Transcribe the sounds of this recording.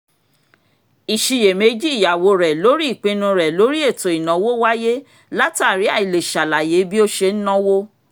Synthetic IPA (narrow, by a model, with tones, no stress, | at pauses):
i˨ʃi˧je˨me˧˦d͡ʒi˦i˦˨ja˨wo˧˦ɾɛ˨lo˨˦ɾi˦i˦˨k͡pĩ˧nũ˧ɾɛ˨lo˨˦ɾi˦e˦˨to˨i˨nã˨˦wo˦wa˦je˦ | la˦ta˦˨ɾi˨˦a˦˨i˨le˨ʃa˨la˨je˨˦bi˦o˦ʃe˧n̩˦nɔ̃˦wo˦